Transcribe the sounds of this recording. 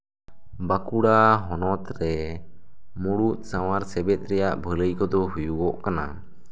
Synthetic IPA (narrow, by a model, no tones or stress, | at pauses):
bakuɽaɦɔnɔt̪ɾɛ | muɽut̪̚ˀsaw̃aɾsɛbɛt̪̚ˀɾɛjaʔbʱələjkɔd̪ɔɦujuɡɔʔkana̰